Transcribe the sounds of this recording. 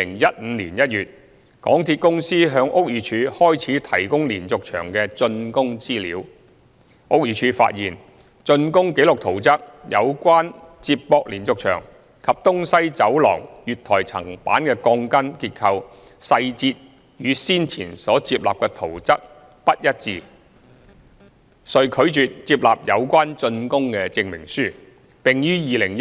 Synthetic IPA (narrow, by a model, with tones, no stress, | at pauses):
ɪ˨˩ŋjɐ˥t̚m̩˨˧lḭː˨˩njɐ˥t̚jyː˨t̚ | kɔː˨˥ŋt̪ʰi˧t̚kʊ˥ŋsiː˥ɦœː˨˧ŋʔʊ˥k̚jiː˨˧t͡ʃʰyː˨˧hɔː˥jt͡sʰiː˨˥t̪ʰɐ˨˩jkʊ˥ŋliː˨˩nt͡sʊ˨k̚t͡ʃʰœ̰ː˨˩ŋkɛː˧t͡sɵ˧nkʊ˥ŋt͡siː˥liː˨˥w | ʔo˥k̚jiː˨˧t͡ʃʰyː˨˧fa̰ː˧t̚jiː˨˩n | t͡sɵ˧nkʊ˥ŋke˨˥jlʊ˨k̚t̪ʰo˨˩wt͡sɐ˥k̚jɐ˨˧wkʷwaː˥nt͡siː˧ppːɔː˧k̚liː˨˩nt͡sʊ˨k̚t͡ʃʰœ̰ː˨˩ŋ | kʰɐ˨p̚t̪ʊ˥ŋsɐ˥jt͡sɐ˨˥wlɔ̰ː˨˩ŋjyː˨t̚t̪ʰɔː˨˩jt͡sʰɐ̰˨˩ŋpa̰ː˨˥nkɛː˧kɔː˧ŋkɐ˥nkiː˧t̚kʰɐ˧w | sɐ˧jt͡siː˧t̚ | jyː˨˧siː˥nt͡sʰḭː˨˩nsɔː˨˥t͡siː˧p̚la̰ː˨p̚kɛ˧t̪ʰo˨˩wt͡sɐ˥k̚ | pɐ˥t̚jɐ˥t̚t͡siː˧ | sɵ˨ɥkʰɵ˨˧˥ɥt͡ʃyː˨t̚t͡siː˧p̚laː˨p̚jɐ˨˧wkʷaː˥nt͡ʃɵ˧nkʊ˥ŋkɛː˧t͡sɪ˧ŋmɪ˨˩ŋsyː˥˩ | pɪ˨ŋjyː˥jiː˨˧lɪ˨˩ŋj